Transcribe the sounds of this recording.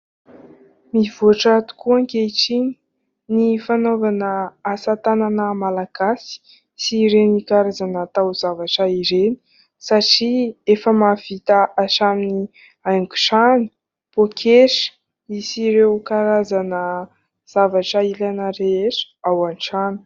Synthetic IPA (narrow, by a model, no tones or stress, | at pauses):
mivoʈ͡ʂaat̪u̥kuaŋkeʈ͡ʂiɲi̥ | nifanovanəasat̪ananəmalaɡ̥asi̥ | siɾenikaɾazanat̪awz̥avaʈ͡ʂəiɾeni̥ | saʈ͡ʂiefəmav̥it̪aʔaʈ͡ʂamini | ajŋku̥ʈ͡ʂani̥ | pokʰeʂ | isiɾewkaɾazanə | z̥avaʈ͡ʂəilanəɾeeʈ͡ʂə̥ | awanʈ͡ʂani̥